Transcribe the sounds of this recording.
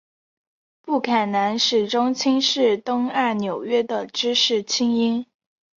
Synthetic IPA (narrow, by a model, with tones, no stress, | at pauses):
pu˥˩kʰa˨˩nna˧˥nʂɻ̩˨˩ʈ͡ʂʊ˥ŋt͡ɕʰi˥ŋʂɻ̩˥˩t̪ʊ˥ŋa˥˩njo˨˩ʊɥɛ˥d̪ə˨ʈ͡ʂɻ̩˥ʂɻ̩˥˩t͡ɕʰi˥ŋi˥n